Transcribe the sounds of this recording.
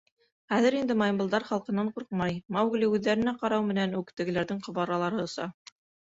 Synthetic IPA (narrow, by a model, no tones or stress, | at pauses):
χæðɘɾind̪ɘmɑjmbɤlˠd̪ɑɾχɑlˠqɤ̆nːɑɴquɾqmɑjmɑwɡlʲiʉðːæɾɘ̆næqɑɾɑwmɘ̆nænʉkt̪ɘ̆ɡɘ̆læɾðɘɴqŏβɑɾɑlˠɑɾɤŏsɑ